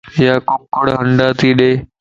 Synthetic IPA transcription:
jaːkokːəɽɦə̃ɳɖaːt̪ʰiːɗeː

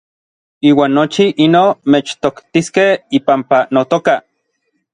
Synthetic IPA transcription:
iːwaːnːot͡ʃiʔinomet͡ʃt̪okt̪iskehipampanot̪oka

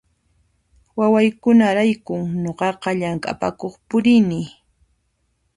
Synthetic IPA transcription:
wawajkʊnaɾajkʊŋɲoɢɑqɑʎaŋkʼa̰pa̰koχpʊɾɪnɪ

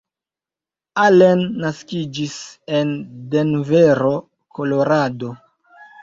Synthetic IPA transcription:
alenːaskid͡ʒise̞nde̞nveɾo̞ | kʰo̞lo̞ɾado̞

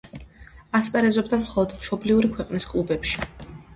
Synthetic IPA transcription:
aspʼɛɾɛzɔbd̪amχɔlˠɔd̪mʃɔbliuɾikʰwɛqʼniskʼlˠubɛpʃi̥

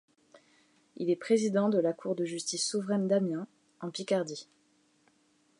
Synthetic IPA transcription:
ḭlɛpχezid̪ɑ̃d̪əlakʰuʁd̪əʒyst̪isːuvʁɛnd̪amjɛ̃ | ɑ̃pikaʁd̪i

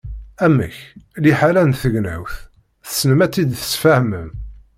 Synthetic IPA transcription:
æmæ̰çliħalænθəʝnæ̰wθ | θə̥snəmæt͡sːid̪θə̥sfæhməm

